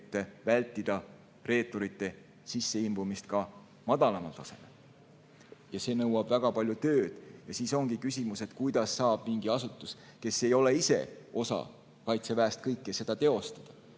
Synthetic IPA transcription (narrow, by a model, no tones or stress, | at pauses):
t̪ːˑevælʲt̪ːˑid̪̥ɑ | re̞ːt̪ˑːoɾit̪ːe̞ | sisːe̞imbumist̪̚kɑ | mɑd̪̥ɑlɑmɑlt̪ɑse̞me̞l | jɑse̞ːnɤwɑb̥væɡ̥ɑpɑlʲjut̪ø̞ːd̪̥jɑsiːso̞ŋɡ̥ikysʲimuse̞t̪kujd̪̥ɑsːɑːb̥̚miŋɡ̥iɑsut̪ːˑuske̞sːe̞jo̞le̞ise̞̰o̞sɑ̰ | kɑjt̪se̞væːst̪̚kɤjkˑːese̞d̪ɑt̪e̞o̞st̪ɑ̥d̪̥ɑ̥